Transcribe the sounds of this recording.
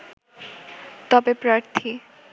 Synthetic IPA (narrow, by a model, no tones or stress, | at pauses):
t̪ɔbepɾaɾt̪ʰi